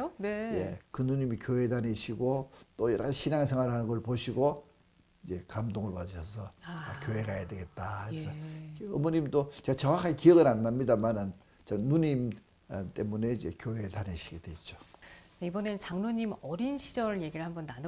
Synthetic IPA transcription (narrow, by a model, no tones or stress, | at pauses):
onejekɯnuɲimikjoedaneɕʰiɡot͈ojeɾaɕʰinaŋesʰe̞ŋwaɾɭɦanɯnɡʌɭpoɕʰiɡo | id͡ʑe̞kamdoŋɯɭpʌɕʰʌsʰʌkjoɦeɡajadweɡe̞t̚t͈aiɾesʰʌeʌmoɲimt͈ot͡ɕeɡat͡ɕʌŋwakʰːaɡikijʌɡɯɾanːamɲidamanɯn | t͡ɕanuɲim | t͈e̞mune̞id͡ʑe̞kjoɦe̞taneɕʰiɡe̞dwe̞t͡ɕ͈o | aibʌnet͡ɕaŋnoɲimʌɾinɕʰid͡ʑʌɾɭje̞ɡiɾɭhambʌnːan